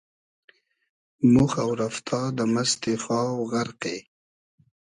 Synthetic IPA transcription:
mʊxawɾaft̪ʰɑd̪əmast̪exɑːwɣaɾqe

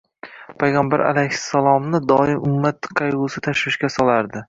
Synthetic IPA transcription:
pʰajʁɑmbaɾʔa̰lajhɪsːalˠɒmnɪd̪ɒɪmʔʊmːat̪qʰɑjʊsɪt̪ʰaʃɾɪʃkʲasɒlˠaɾd̪ɪ

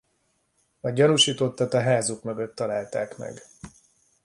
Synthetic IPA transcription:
ɒɟɒnuʃiːt̪o̞t̪ːɒt̪ɒɦaːzukmø̞ɡø̞t̪ːɒlaːlt̪aːkmɛ̰ɡ

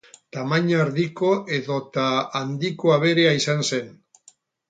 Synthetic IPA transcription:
t̪amaɲaɾðiko̞ʔe̞ðo̞t̪aand̪ikoaβ̞e̞ɾe̞aisanse̞n

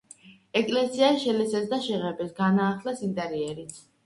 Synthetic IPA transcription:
ɛkʼlɛsiaʃɛlɛsɛsd̪aʃɛʁɛbɛsɡanaːχlɛsint̪ʼɛɾiɛɾit̪sʰ

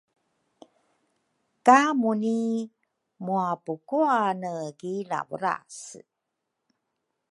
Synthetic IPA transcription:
kamuni | muapukuanəɡila̰vəɾa̰s

